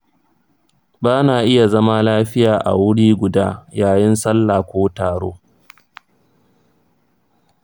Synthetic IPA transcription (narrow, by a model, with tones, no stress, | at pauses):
baː˦naː˨ʔɪ˦ja˨zɐ˦ma˦laː˦ɸɪ˦jaː˨ʔa̰˨wʊ˦ɽiː˦ɡʷʊ˨daː˦jaː˨jɪ˦nsɐ˦lːaː˨kʷoː˦taː˨ɽo̰ː˦